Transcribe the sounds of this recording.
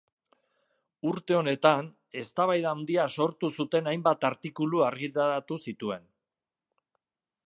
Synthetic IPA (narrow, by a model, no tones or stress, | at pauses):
uɾt̪e̞o̞ne̞t̪an | e̞st̪aβajðaːwnd̪iaso̞ɾt̪usut̪e̞najmbat̪aɾt̪ikuluaɾɣit̪aɾat̪usit̪ue̞n